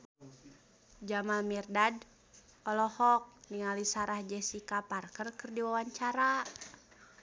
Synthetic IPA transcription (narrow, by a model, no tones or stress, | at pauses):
d͡ʒamalmirdad | ɔlɔhɔk̚niŋalisaɾahd͡ʒɛsikaparkərkərdiwawaɲt͡ʃaɾa